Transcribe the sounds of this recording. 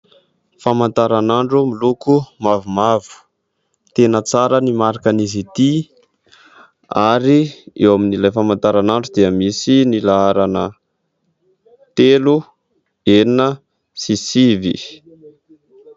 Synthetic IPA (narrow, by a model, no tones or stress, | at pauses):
famant̪aɾanaɳɖ͡ʐumilukumavumavu̥ | t̪enət͡saɾənimaɾakanizit̪i | aɾiewaminilajfamant̪aɾanaɳɖ͡ʐud̪iəmisinilaaɾanə | t̪elu | eninə | sisivḭ